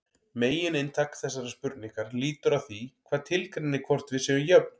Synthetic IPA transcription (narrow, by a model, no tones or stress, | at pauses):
meːjɪnɪnt̪ʰaːkθɛsːaɾaspʏɾt̪niŋkaɾliːt̪ʏɾaðθikʰvaːðt̪ʰɪlkɾɛnːɪkʰvɔr̥t̪vɪðsɛːðʏjœp̚n